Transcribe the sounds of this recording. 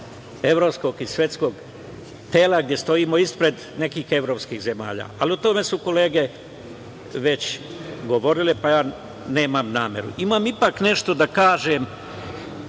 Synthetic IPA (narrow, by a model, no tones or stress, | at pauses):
e̞ʋɾopsko̞ɡisʋʲje̞t̪sko̞ːɡ | t̪eːlaɡ̚d̪je̞st̪o̞iːmo̞ispɾe̞d̪ | ne̞kiːxe̞ʋɾo̞ːpskixze̞ma̰ːʎa̰ːaliot̪o̞me̞suko̞le̞ːɡe̞ | ʋe̞t͡ɕɡo̞ʋo̞ɾilepajaː | ne̞ːmamnaːmje̞̰ɾṵʔimamipakne̞ʃt̪o̞d̪akaːʒem